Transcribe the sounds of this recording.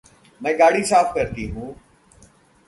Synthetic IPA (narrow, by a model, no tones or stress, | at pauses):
mɛ̃ːɡaːɽiːsaːfkəɾt̪iɦũː